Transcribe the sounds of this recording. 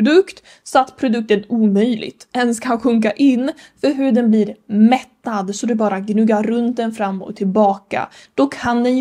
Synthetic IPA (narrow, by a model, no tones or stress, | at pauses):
d̪ɵkt̪ | sɔat̪ːpʰɾʊd̪ɵk̚t̪ənuːmœjlɪ̰ɡt̪ɛnskaɧɵŋk̬aʔɪnːfœɾɦɵɖ̪ɛnbliːɾmɛt̪ːad̪sɔd̪ɛbɑːɾaɡnɵɡːaɾːɵnt̪̚d̪ɛnfɾamːɔ̰t̪ʰːɪlbɑːka̰ | d̪̥ɔkʰand̪ɛnj